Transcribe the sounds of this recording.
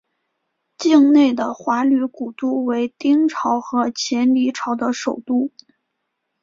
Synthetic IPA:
t͡ɕi˥˧ŋne˥˩ɪd̪ə˩xwa˧˥ly˧˥ku˨˩t̪u˥we˧˥ɪt̪i˥ŋʈ͡ʂʰɑ˧˥ʊxɤ˧˥t͡ɕʰjɛ˧˥nli˧˥ʈ͡ʂʰɑ˧˥ʊd̪ə˧ʂo˨˩ʊt̪u˥

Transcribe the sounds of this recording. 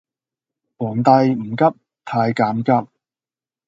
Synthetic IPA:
wɔː˨˩ŋt̪ɐ˧jm̩˨˩kɐ˥p̚ | t̪ʰaː˧jkaː˨˧mkɐ˥p̚

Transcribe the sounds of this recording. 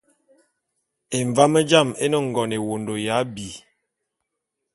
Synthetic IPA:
e˨ɱva˦mə˦d͡ʒa˦˨me˦nɔ˦ŋ˨ɡɔ˨ne˨wo˨ndo˨ja˨˦bi˨

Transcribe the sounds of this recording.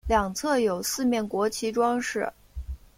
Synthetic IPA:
ljɑ˨˩ŋt͡sʰɤ˥˩jo˨˩ʊsɹ̩˥˧mjɛ˥˩nkwɔ˧˥t͡ɕʰi˧˥ʈ͡ʂwɑ˥ŋʂɻ̩˥˩

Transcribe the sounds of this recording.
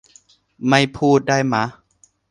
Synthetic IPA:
ma˥˩jpʰuː˥˩t̪̚daː˥˩jma˦˥

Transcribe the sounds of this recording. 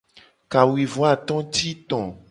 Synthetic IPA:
ka˨wi˨vɔ˦a˦˨t̪ɔ̃˦t̪i˦t̪ɔ̃˨

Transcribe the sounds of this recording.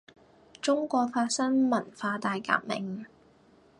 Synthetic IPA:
t͡sʊ˥ŋkʷɔː˧k̚faː˧t̚sɐ˥ŋmɐ˨˩nfaː˧t̪aː˨jka̰ː˧p̚mɪ̰˨ŋ

